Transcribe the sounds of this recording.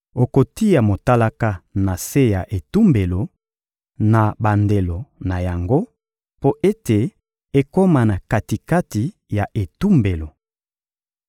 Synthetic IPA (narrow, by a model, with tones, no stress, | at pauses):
o˨ko˨ti˦ja˨mo˨ta˦la˦ka˦na˨se˦ja˨ʔe˨tu˦mbe˨lo˨ | na˨ba˨nde˨lo˨na˨ja˨ŋɡo˦ | po˦ʔe˦te˨ | e˦ko˦ma˨na˨ka˨ti˨ka˦ti˨ | ja˨ʔe˨tu˦mbe˨lo˨